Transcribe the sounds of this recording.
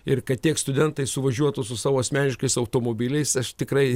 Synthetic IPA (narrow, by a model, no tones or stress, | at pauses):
ɪɾkɐt̪ʲiɛkst̪ʊd̪ʲɛnt̪ɐɪsʊʋɐʒʲuɔt̪ʊsʊsɑːʋoːɐsʲmʲæːnʲɪʃkɐɪsɐʊt̪oːmoːbʲiːlʲɛɪsɐʃt̪ʲɪkɾɐɪ